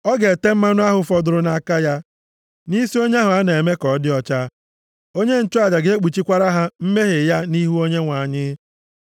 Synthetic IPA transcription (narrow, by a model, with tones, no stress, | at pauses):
ɔ˦ɡe˨te˦m̩˦ma˦nʊ˦a˦ɦʊ˨fɔ˨dʊ˨ɾʊ˨na˨˦ka˦ja˦ | ni˦si˦o˦ɲ˦a˦ɦʊ˨a˦n˨e˨me˦kɔ˨˦dɪ˦ɔ˦t͡ʃa˦ | o˦ɲe˦n̩˨t͡ʃʊ˦a˨d͡ʒa˨ɡe˦e˦k͡pi˨t͡ʃi˦kʷa˦ɾa˦ɦa˦m̩˦me˦ɦe˨ja˦ni˦ɦu˦o˦ɲe˦ŋʷa˨ɲɪ˦